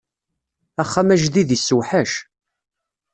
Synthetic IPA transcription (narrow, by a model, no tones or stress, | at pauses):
æχːamæʒðiðisːuwħaʃ